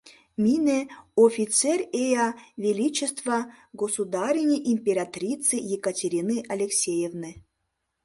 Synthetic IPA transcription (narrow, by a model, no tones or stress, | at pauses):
mʲineofʲit̪sɛrʲejavʲelʲit͡ɕest̪vɐ | ɡosud̪aɾʲinʲejʔimʲpʲeɾʲat̪ɾʲit̪sɨjekɐtʲeɾʲinɨʔɐlʲeksʲejevnɨ